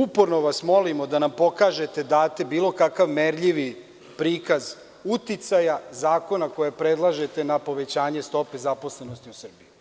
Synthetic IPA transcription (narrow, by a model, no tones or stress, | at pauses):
upoɾno̞ʋasmo̞limod̪anampo̞kaʒet̪e̞d̪aːt̪e̞biːlo̞kakaʋmeɾʎiʋi | pɾiːkaz | ut̪it̪sajazaːko̞nakojapɾed̪lˠaʒe̞t̪e̞napo̞ʋe̞t͡ɕaːɲe̞st̪o̞pe̞zapo̞slenost̪iusr̩biju